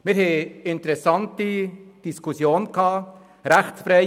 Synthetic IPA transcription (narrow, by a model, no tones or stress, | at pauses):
mɪːɾhɛɪɪntəɾɛsɑntid̥iskʰusjoːnkʰhɑː | ɾæχt͡sfɾɛɪ